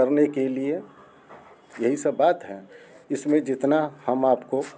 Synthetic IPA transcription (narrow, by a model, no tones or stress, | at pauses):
əɾnekelie | jɐɦisəbbaːt̪ɦɛ | ɪsmẽd͡ʒɪt̪nahəmaːpko